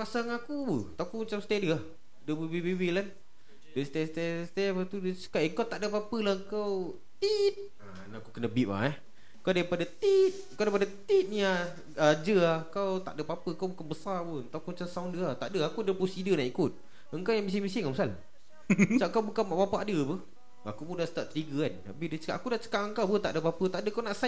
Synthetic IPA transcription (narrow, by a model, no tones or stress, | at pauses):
pasaŋakubət̪akumat͡ʃamst̪adəah | dəbibibewilan | dəst̪ast̪ast̪apat̪udsə̥kaʔŋkawt̪aʔdəpapəlaəkaw | t̪it̪̚ | a̰ | nakukənəbiʔ̚a̰ɛh | kawdaipadat̪it̪̚kawdaipadat̪it̪̚nia | d͡ʒəakawt̪a̰ʔdəpapəkawbukanbəsarput̪akut͡ʃansawndəat̪aʔdəakudəpusidənaʔikut̪̚ | əŋkawjaŋmis̬iŋmisɪŋaməsal | t͡ʃaʔkawbukanmaʔpapaʔadəpə | akupundaʔst̪aʔt̪əɾiɡəana̰bidət͡ʃə̥kaʔakudat͡ʃə̥kaʔəŋkawpət̪a̰ʔdəpapət̪aʔdəkawnaʔsa